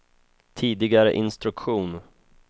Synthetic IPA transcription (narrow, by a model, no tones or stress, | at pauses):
t̪ʰiːd̪ɪɡaɾə̰ʔɪnst̪ɾɵkɧuːn